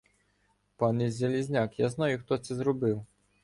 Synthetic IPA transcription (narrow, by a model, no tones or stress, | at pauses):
pɑnɛzʲelʲizʲnʲakjaznajʊxt̪ɔt̪sɛzrɔbɪw